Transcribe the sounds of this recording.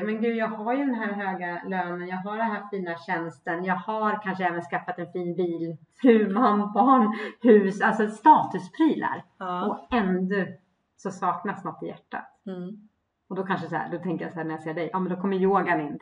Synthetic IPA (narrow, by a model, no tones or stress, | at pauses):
mɛnɡʉ̟ːjɑːɡhaɾjɵd̪ɛnɦæːɾɦøːɡaløːnənjɑːɡɦaɖɛnɦaft̪ːviːnaɕɛnst̪ənjɑːɡhaɾkʰanʂəɛːvənskafːat̪ɛnfiːnbiːlfɾʉ̟ːmanbɑːɳhʉ̟ːsalt̪sɔst̪ɑːt̪ɵspʰɾiːla̰ɾɔɛnd̪ɵ | sɔsɑːknasnɔt̪ːɪjæ̰ʈːa̰t̪ | ɔd̪ɔkʰanʂəsæ̰d̪ɔt̪ʰɛŋkəjasæːnæɾjaseːɖɛjʔɑːmɛnd̪ɔkʰɔmːəɾjoːɡanɪnː